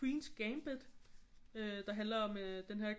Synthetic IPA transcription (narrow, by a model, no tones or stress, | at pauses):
wiːnsɡ̥eɪmb̥ed̥ˠ | ød̥ɑ̈ɦænlɐɒ̽md̥enɦeɐ̰